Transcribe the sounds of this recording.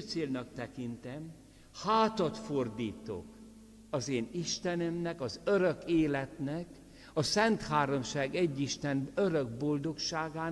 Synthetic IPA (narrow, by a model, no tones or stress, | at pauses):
t̪seːlnɒkt̪ɛkint̪ɛm | haːt̪ɒt̪ford̪iːt̪o̰k | ɒzeːniʃt̪ɛnømnɛkɒzøɾøkeːlɛt̪nɛk | ɒsɛnt̪haːɾomʃaːɡɛɟːiʃt̪ɛnøɾøɡbo̞ld̪o̞kʃaːɡaːn